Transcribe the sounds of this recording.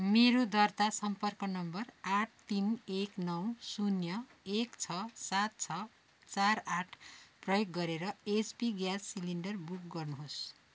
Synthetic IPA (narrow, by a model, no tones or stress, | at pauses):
meɾud̪ʌrt̪asʌmpʌrkʌnʌmbʌraʈʰt̪ineknʌwsunjʌekt͡sʰʌsat̪̚t͡sʰʌ | t͡saraʈʰprʌjoɡːʌɾeɾʌespiɡjasːiliɳɖʌrbuk̚ɡʌrnuɦos